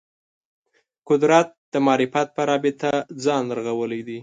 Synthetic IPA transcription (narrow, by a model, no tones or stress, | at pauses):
kʊd̪ɾat̪̚d̪̥əmɑɾɪfat̪̚pəɾɑbɪt̪ad͡zɑnləɾaɣawəlad̪i